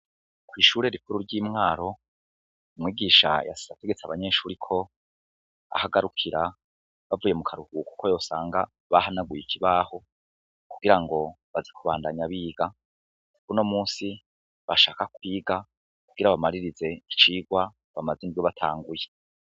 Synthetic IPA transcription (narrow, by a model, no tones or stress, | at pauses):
kwiːʃuːɾe̞ɾipuɾuɾɟiːmŋaːɾo̞ | umŋiːɡiːʃa̰ja̰si̥zate̞ɡe̞t͡saβaɲe̞ːʃuːɾikʰo̞ | a̰haɡaɾukʰiɾa | βavuːje̞mukʰaɾuhuku̥kʰojo̞ːsaːŋɡa | βahanaɡwujikʰiβaːho̞ | kuɡ̥iɾaŋɡo̞ | βazikuβaːndaɲaβiːɡ̥a | kuβuno̞muːnsi | βaʃaːkakwiːɡa | kuɡ̥iɾaβamaɾiɾize̞it͡ʃiːɡwa | βamazindwoβatʰa̰ːŋɡuje